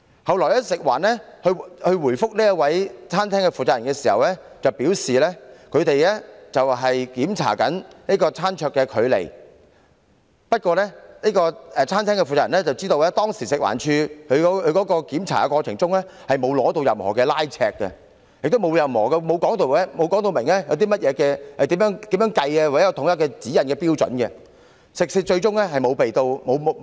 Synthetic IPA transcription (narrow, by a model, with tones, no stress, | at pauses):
hɐ˨wlɔː˨˩jlɛ˥sɪ˨k̚wa̰ː˨˩nɛ˥hɵ˧hɵ˧ɥwuː˨˩jfʊ˥k̚niː˥jɐ˥t̚wɐ˨˥jt͡sʰaː˥nt̪ʰɛː˥ŋkɛ˧fuː˨˩t͡saː˧˥jɐ˨˩nkɛː˧siː˨˩hɐ̰˨wlɛː˥ | t͡sɐ˨wpiː˨˥wsiː˨lɛː˥kʰɵ˨˧ɥt̪e˨jlɛː˥t͡sɐ˨wɦɐ˨jkiː˨˥mt͡sʰa̰ː˨˩kɐ˨˥nni˥kɔː˧t͡sʰaː˥nt͡ʃʰœː˧kːɛː˧kʰɵ˨˧ɥlḛ˨˩j | pɐ˥t̚kʷɔː˧lɛː˥niː˥kɔː˧ɛ˨˧t͡sʰaː˥nt̪ʰɛː˥ŋkɛ˧fu˨t͡saː˧jɐ˨˩nɛ˥t͡sɐ˨wt͡siː˥t̪o˧wɛː˥t̪ɔː˥ŋsiː˨˩sɪ˨k̚wa̰ː˨˩nt͡ʃʰyː˧kʰɵ˨˧ɥkɔ˨˥kʰːɥkɔː˨˥kɔː˧kiː˨˥mt͡sʰaː˨˩ɛ˧kwɔː˧t͡sʰɪ˨˩ŋt͡sʊ˥ŋlɛ˥hɐ˨jmo˨˧wlɔː˨˥t̪o˧wjɐ˨mhɔ̰ː˨˩kɛː˧laː˥jt͡sʰɛ̰ː˧kːɛ̰˧ | jɪ˨k̚t̪o˥wmo˨˧wjɐ˨mhɔː˨˩kɛ˧mo˨˧wkɔː˨˥ŋt̪o˧wɛ˥mo˨˧wkɔː˨˥ŋt̪o˧wmɪ˨˩ŋlɛ˥jɐ˨˧wt̪iː˥mɐ˥t̚jɛː˨˧kɛː˧hɐ˨jt̪iː˨˥mjœː˨˥ŋt̪iː˨˥mjœː˨˥ŋkɐ˧jɛ˧wa˨˩˨ɛ˥kːt̪ʰʊ˨˥ŋjɐ˥tkːɛ˧t͡siː˨˥jɐ˨nkɛː˧piː˥wt͡sɵ̰˨˥nkɛ˧ | sɪ˨k̚sɪ˧t͡ʃɵ˧ɥt͡sʊ˥ŋlɛ˥ɦɐ˨jmo˨˧wpe˨jt̪o˧wmo˨˧w